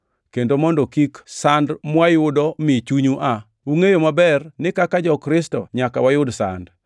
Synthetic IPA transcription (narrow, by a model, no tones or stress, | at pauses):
kendomɔndɔkiksandmwajʊdɔmɪt͡ʃuɲuʔa | uŋejomabɛrnɪkakad͡ʒɔkɾɪstɔ̰ɲakawajʊdsa̰nd